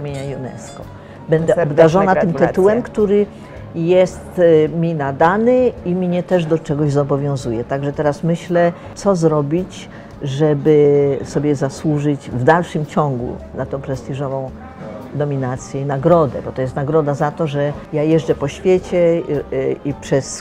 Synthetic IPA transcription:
amʲjeɲajunɛ̰skɔ | bɛnd̪ɛɔbd̪aʐɔnatt̪ɘmt̪ɪt̪uwɛmkt̪uɾɘ | jɛst̪mʲinad̪anɘimɲɛt̪ɛʐd̪ɔt͡ʂɛɡɔʑzɔbɔvʲjɔ̃w̃zujɛt̪aɡʐɛt̪ɛɾasmɘɕlɛ | t̪sɔzɾɔbʲit͡ɕ | ʐɛbɘsɔbʲjɛzaswuʐɘd͡ʑvd̪alʂɘmt͡ɕɔŋɡṵnat̪ɔ̃w̃pɾɛst̪ʲiʐɔvɔ̃w̃ | d̪ɔmʲinat̪sʲjɛinaɡɾɔd̪ɛ̰bɔt̪ɔjɛst̪naɡɾɔd̪azat̪ɔʐɛjajɛʐd͡ʐɛpɔɕfʲjet͡ɕɛ | ipʂɛs

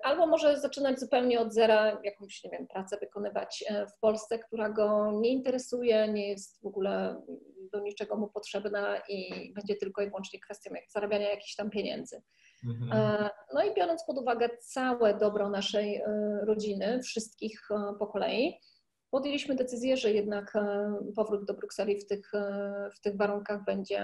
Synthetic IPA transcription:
ʔalbɔmɔʐɛzat͡ʂɘnad͡ʑzupɛwɲɛɔd̪zɛɾajakɔ̃wɕɲɛvʲjɛmpɾat̪sɛvɘkɔnɘva̰t͡ɕfpɔlst̪sɛkt̪uɾaɡɔɲɛint̪ɛɾɛsujɛɲɛjɛst̪vɔɡulɛ̰ | d̪ɔɲit͡ʂɛɡɔmupɔtʂɛbnaʔibɛɲd͡ʑɛt̪ɘlkɔivwɔnt͡ʂɲɛkfɛst̪jɔ̃wz̥aɾabʲjaɲajakʲi̥xɕt̪ampʲjeɲɛ̰nd̪zɘ | nɔibʲjɔɾɔnt̪spɔd̪uvaɡɛt̪sawɛd̪ɔbɾɔnaʂɛjɾɔd͡ʑinɘfʂɘst̪kʲixpɔkɔlɛ̰ji | pɔd̪jelʲiɕmɘd̪ɛt̪sɘzʲjɛʐɛjɛd̪nakpɔvɾud̪̚d̪ɔbɾuksɛlʲift̪ɘxft̪ɘɣvaɾuŋkaɣbɛɲd͡ʑɛ̰

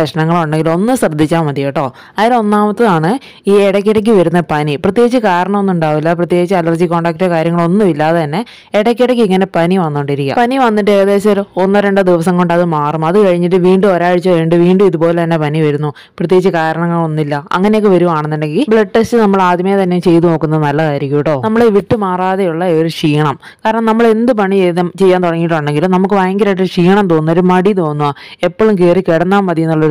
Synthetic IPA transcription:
ɐʂɐɳɐŋːɐɭoɳɖeŋɡilo̞nːɨsrɐd̪ʱːit͡ɕːaːmmɐd̪ijeʈːo̞ː | ɐðilo̞nːaːmɐt̪ːɨðaːɳɨ | iːeɽɐk̬ʲːiɽɐk̬ːɨʋɐɾunːɐpɐniprɐt̪̬ːjeːɡit͡ɕːɨkaːɾɐɳɐmo̞nːuɳɖaːʋilːɐprɐt̪jeːɡit͡ɕːɨɐlɐrd͡ʑiko̞ːɳɖaːk̚ʈekaːɾjɐŋːɐɭo̞nːɨmilːaːðet̪ɐnːe̞ː | ɽɐkʲːiɽɐk̬ːɨiŋːɐne̞pɐniʋɐnːoɳɖiɾikʲːa̰pɐniʋɐnːiʈːeːɐðe̞ːɕɐɾonːɐɾeɳɖɨd̪iʋɐsɐŋko̞ɳɖɐðɨmaːrumɐðɨkɐɻiɲːiʈːɨʋiːɳɖuo̞ɾaːɻit͡ɕːɨʋeːɳɖɨʋiːɳɖɨmiðupo̞ːle̞t̪ɐnːe̞pɐniʋɐɾunːu | prɐt̪jeit͡ɕːɨkaːɾɐɳɐŋːɐɭonːilːɐɐ̰ŋːɐnejokːeʋɐɾuʋaːɳɨnːinːɖeŋɡilbɭeʈːestɨnɐmːɐɭaːd̪ʱjmɐjet̪ɐnːemt͡ɕe̞jt̪uno̞ːkːunːɐðɨnɐlːɐkaːɾikʲːɐjuʈːoːnɐmːɐɭeʋiʈːɨmaːraːðɐjuɭːɐoɾuʂiːɳɐm | kaːɾɐɳɐmnɐmːɐɭe̞nd̪ɨp̬ɐɳit͡ɕejðɐmt͡ɕe̞jːaːnt̪uɽɐŋːiʈːoɳɖeŋɡilunɐmukːɨʋaːɐŋɡɐɾaj̬ɐʂiːɳɐmt̪̬oːnːʋoɾumɐɽit̪o̞ːnːuʋae̞pːoːɭumkeːrikeɽɐnːaːmmɐd̪ijunːuɭːɐ

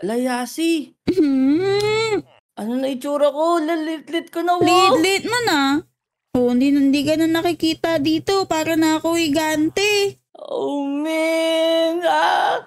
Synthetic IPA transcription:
lɐjaːsɪ | m̩h̩ | ʔɐnonɐɪt͡ʃuːɾɐkolɪt̪lɪt̪̚lɪt̪̚konɐwlɪt̪lɪt̪̚mona | ʔond̪inɪnd̪ikɐnonːɐkɪkiːt̪ɐd̪iːt̪o̞paːɾɐnɐɐkoʔɪɡant̪ɛ | omɪ | ŋa

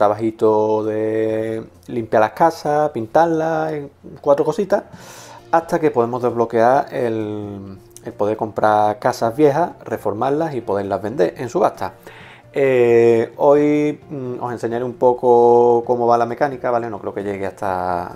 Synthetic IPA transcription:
t̪ɾaβaɦit̪oðe̞ | limpjalahkasapint̪alːakwat̪ɾoko̞sit̪ahat̪ake̞po̞ðe̞mo̞zðe̞zβlo̞ke̞aɾel | elpo̞ð̞e̞ɾko̞mpɾakasazβje̞ɦare̞fo̞ɾmalasipo̞ðe̞ɾlazβe̞nd̪e̞ɾʔensuβat̪a | e | o̞j | o̞se̞nse̞ɲaɾeumpo̞koko̞mo̞βalame̞kanikaβale̞no̞kɾe̞oke̞ʎe̞ɣeaht̪ʰa̰

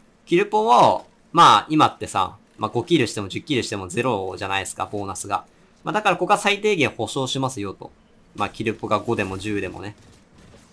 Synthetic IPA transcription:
kʲiɾɯ̟põβa | maːimat̪ːe̞sã̰ | maɡo̞kʲiɾɯ̟ɕi̥t̪e̞mo̞ʑɨkʲːiɾɯ̟ɕi̥t̪e̞mo̞ze̞ɾo̞ʑanaid̪e̞sɨ̥ka̰bo̞ːnasɨɡa̰ | mad̪akaɾakoɡasait̪̬e̞ːɡẽ̞ɰ̃ho̞ɕo̞ːɕimasɨjo̞t̪o̞̰ | makʲiɾɯ̟poɡaɡo̞d̪e̞mo̞ʑɨːd̪e̞mo̰ne̞

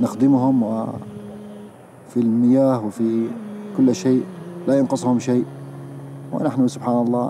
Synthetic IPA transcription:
nɪxd̪ɪmɦʊmwɪ | filmɪjaːhwfikʊlːʃeːʔlajʊnqɑsˤhʊmʃeːʔ | wɪ̰naħnusʊbħaːnɑlˤːɑː

